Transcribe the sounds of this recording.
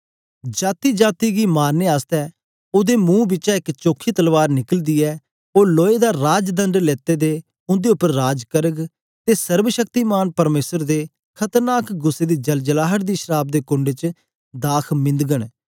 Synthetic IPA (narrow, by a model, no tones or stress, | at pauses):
d͡ʒaːt̪iːd͡ʒaːt̪iːɡiːmaːɾneːaːst̪ɛː | ʊd̪eːmũːbɪːt͡ʃaɪkt͡ʃoːkʰːiːt̪əlʋaːɾnɪkəld̪iːɛː | oːloːed̪aːɾaːd͡ʒd̪ə̃nɖleːt̪eːd̪eː | ʊ̃nd̪eːʊpːəɾːaːd͡ʒkəɾəɡ | t̪eːsəɾʋəʃəkt̪iːmaːnpəɾmeːsəɾd̪eː | kʰət̪əɾnaːkɡʊseːd̪iːd͡ʒəld͡ʒəlaːɦəʈd̪iːʃəɾaːb̚d̪eːkʊ̃ɳɖeːt͡ʃ | d̪aːkʰmɪ̃nd̪ɡəɽ